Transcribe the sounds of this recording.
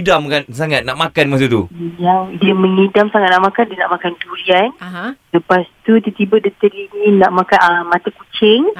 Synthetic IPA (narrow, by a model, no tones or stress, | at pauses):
damkansaŋat̪̚naʔmakanmasut̪uijawdiəməŋidamsaŋat̪̚naʔmakandiənaʔmakank̪ulianləpast̪ut̪ət̪ibədət̪əɾimĩnaʔmakanəmat̪akut͡ʃɪŋ